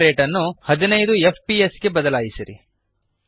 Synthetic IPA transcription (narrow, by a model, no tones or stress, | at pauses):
ɾeːʈɐnːuhɐd̪inɐjd̪uepʰpiesɡe̞bɐd̪ɐlaːjisiɾḭ